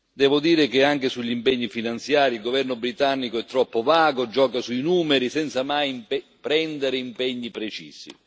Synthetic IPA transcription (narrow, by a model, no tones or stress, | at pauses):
d̪ɛːvʊd̪iːɾɪkɪaŋkɪsuʎːimpɛɲːifinant̪sjaːɾilɡovɛrnʊbɾit̪anːikoɛt̪ːɾɔpːovaːɡod͡ʒɔːkasuinuːmɪɾisɛnt̪samajmppɾɛnd̪eɾɪimpɛɲːipɾet͡ʃiːsḭ